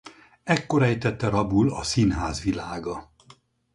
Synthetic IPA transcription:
ɛkːo̞ɾɛjt̪ɛt̪ːɛɾɒbulɒsinɦaːzʋilaːɡɒ

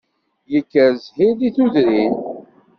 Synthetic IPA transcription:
jəkːəɾzħiðiθuðɾin

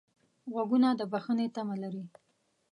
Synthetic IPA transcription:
ɣwaɡunad̪əbaxənet̪amalaɾi

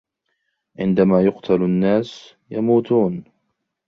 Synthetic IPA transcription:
ʕɪ̰nd̪amaːjʊqt̪ʰalanːaːs | jamuːt̪uːn

